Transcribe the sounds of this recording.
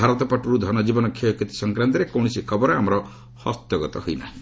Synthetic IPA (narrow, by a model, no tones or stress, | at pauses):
aɾɔt̪ɔpaʈuɾud̪ʱɔnɔd͡ʒibɔnɔkʰjijɔkit̪i̥sɔŋkɾant̪ɔɾekow̃isikʰɔbɔɾeamɔɾɔ | hɔ̰st̪ɔɡɔt̪ɔhujna̰ɦĩ